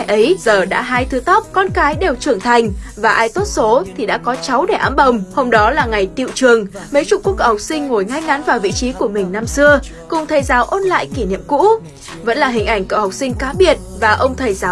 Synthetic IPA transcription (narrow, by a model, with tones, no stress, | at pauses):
jʔə˨˦jzəː˨˩ɗa̰ː˧˥ɦaː˧jt̪ʰɨ˨˦t̪ɔ˦˥p̚kɔ˧nkaː˨˦jɗe˨˩wt͡ɕɨ˧˩əŋt̪ʰa˨˩jŋ̟vaː˨˩ʔaː˧jt̪o˦˥t̚so˨˦t̪ʰi˨˩ɗa̰ː˧˥kɔ˨˦t͡ɕa˨˦wɗe˧˩ʔaː˨˦mɓə˨˩wŋ͡mho˧mɗɔ˨˦laː˨˩ŋa˨˩jt̪ḭ˧˨wt͡ɕɨ˨˩əŋmə˨˦jt͡ɕʊ̰˨˧˩ku˦˥kːə̰˧˩wha˨˩k͡p̚sï˧ŋ̟ŋo˨˩jŋa˧jŋa˨˦nvaː˨˩wvḭ˧˨t͡ɕi˨˦ku˧˩əmï˨˩ŋ̟na˧msɨ˧ə | kʊ˨˩ŋ͡mt̪ʰəː˨˩jzaː˨˦wʔo˧nla̰ː˧˨jki˧˩nḭ˧˨əmkṵ˧˥ | və̰˧˥nlaː˨˩ï˨˩ŋ̟ʔa˧˩jŋ̟kə̰˧˨wha˨˩wk͡p̚sï˧ŋ̟kaː˨˦ɓi˨˧˩ət̚vaː˨˩ʔə˧wŋ͡mt̪ʰəː˨˩jzaː˨˦